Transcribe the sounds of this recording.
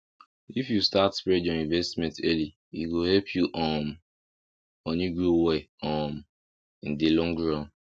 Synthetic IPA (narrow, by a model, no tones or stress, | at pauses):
ifjustatspɹɛdɔ̃nĩnvɛstmɛ̃ntɛli | ḭɡohɛpʰjuʔɔm | õniɡɹoweɔm | ĩn̩delɔ̃ŋɡɹãn